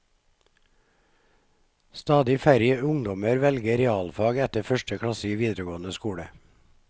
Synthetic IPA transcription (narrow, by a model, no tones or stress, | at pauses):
st̪ɑːd̪ɪiːfæɾjəʊŋd̪ɔməɾʋɛlɡəɾɛɑːlfɑːɡɛt̪əfœʃʈəkʰɽɑsɪʋiːd̪ɾəɡoːnəskuːɽə